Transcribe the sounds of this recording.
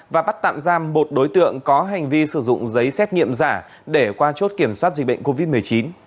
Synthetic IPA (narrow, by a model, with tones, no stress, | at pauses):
vaː˨˩ɓa˦˥t̚t̪a̰ː˧˨mzaː˧mːo˨˩t̚ɗo˨˦jt̪ɨ̰˧˨əŋkɔ˨˦ɦa˨˩jŋ̟vi˧sɨ˧˩zʊ̰˧˨ŋ͡mzə˨˦jsɛ˦˥t̚ŋḭ˧˨əmzaː˧˩ | ɗe˧˩kwaː˧t͡ɕo˦˥t̚ki˧˩əmswaː˦˥t̚zi˨k̟̚ɓ̰ŋko˧vi˦˥t̚m˨˩əjt͡ɕi˨˦n